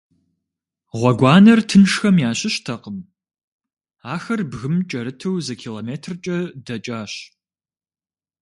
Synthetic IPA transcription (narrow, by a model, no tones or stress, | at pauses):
ʁʷɔɡʷɑːnɐrtʰɨnʂxɐmjaːɕɪɕtʰɐqəm | aːxɐrbɣɨmt͡ʃʼɐɾɨtʰɐwzɐkʰiːloːmeːtʰrt͡ʃʼɐdɐt͡ʃʼaːɕ